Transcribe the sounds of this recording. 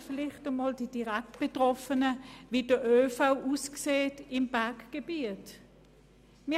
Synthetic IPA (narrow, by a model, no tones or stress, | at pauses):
fɪlɪχtəmɔːld̥id̥iʁɛk̚t̚b̥etʁɔfənəvidəʔøːfaʊʔuːskseːtɪmb̥ɛɐkɡ̥ebiːət | mi